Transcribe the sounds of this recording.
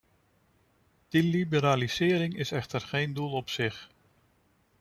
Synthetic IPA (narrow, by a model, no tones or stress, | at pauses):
d̥ilibəɾaːliz̥ɪːɾɪŋɪsɛχtərχejndulˠɔpsɪχ